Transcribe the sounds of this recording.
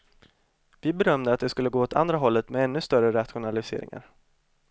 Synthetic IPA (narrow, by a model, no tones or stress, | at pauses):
vɪbɛɾœmd̪əat̪̚d̪ɛskɵlːəɡoːɔt̪ʰa̰nd̪ɾaɦɔlːət̪mɛɛnːɵst̪œrəɾat̪ɧʊnalɪsḛːɾɪ̰ŋa̰ɾ